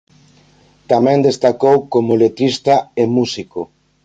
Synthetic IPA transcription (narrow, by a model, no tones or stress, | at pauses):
t̪amɛ̃nd̪est̪akowkomolet̪ɾist̪aemusiko